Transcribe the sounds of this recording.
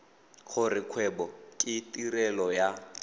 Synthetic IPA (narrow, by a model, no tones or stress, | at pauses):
k͡xʰʊrikʰwɛbɔkʼɪtʼirɛlɔja